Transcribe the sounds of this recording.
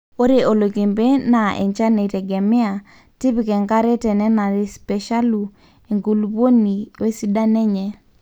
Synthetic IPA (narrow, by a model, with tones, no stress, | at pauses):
o˦ɾe˨ʔo˨lo˨ke˨mbe˦na˨ʔɛ̰˨ɲt͡ʃa˦ne˨ɾɛ˨ɡɛ˨mɪ˦a˨ | ti˦pi˨kɛ˨ŋka˦ɾɛ˦tɛ˨nɛ˦na˨ɾe˦spɛ˨ʃa˦lu˨ | e˨ŋɡu˨lupo˦ni˨e˦si˦da˦nɛ˦ɲɛ˨